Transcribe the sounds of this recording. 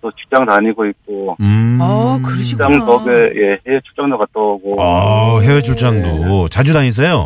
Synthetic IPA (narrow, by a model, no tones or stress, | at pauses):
t͈ot͡ɕi̥k̚t͡ɕ͈aŋdaɲiɡoik͈̚oɯkɯɾɕamkʌɡeje̞hewet͡ɕʰuɭt͡ɕ͈aŋdokat̚t͈ʌɡoʌɦewet͡ɕʰuɭt͡ɕ͈aŋdot͡ɕad͡ʑudaɲis̬ejo